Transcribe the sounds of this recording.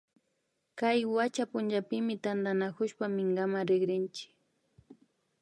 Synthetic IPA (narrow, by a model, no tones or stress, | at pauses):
kajwat͡ʃapʊnd͡ʒapɪmɪt̪and̪anakʊʃpamɪŋɡamaɾɪɡɾɪnt͡ʃɪ̥k